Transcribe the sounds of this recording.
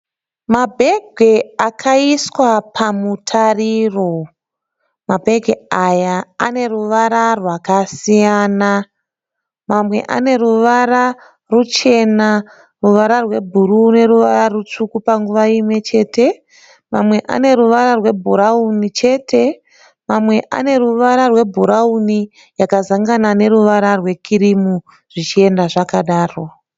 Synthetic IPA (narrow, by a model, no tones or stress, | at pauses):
mabʱe̞ɡʱeakʰaiswapʰamutʰariro̞ | mabʱe̞ɡʱeajaːne̞ruʋaɾarwakasijaːna | mamwe̞̰ʔa̰ne̞ruʋara | rut͡ʃe̞na | ruʋaɾarwe̞bʱuɾune̞ɾuʋaɾarut͡ʂukupaŋɡuʋaimwe̞t͡ʃe̞ːtʰe̞ | mamwe̞ʔa̰ne̞ɾuʋaɾarwe̞bʱuɾaunit͡ʃe̞ːtʰe̞ | mamwe̞ʔa̰ne̞ɾuʋaɾarwe̞bʱuɾauni | jakazaŋɡanane̞ɾuʋaɾarwe̞kʰiɾimu | ʐ̥it͡ʃie̞ndaʐakaɗaːro̞